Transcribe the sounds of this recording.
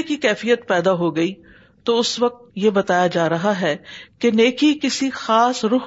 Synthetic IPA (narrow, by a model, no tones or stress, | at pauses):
kikɛːfijət̪pɛːd̪aɦoɡɐi | t̪oʊsʋɐk̚t̪̚jebɐt̪aːjad͡ʒaːɾɐɦaɦɛːkeneːkikɪsixaːsɾʊɦ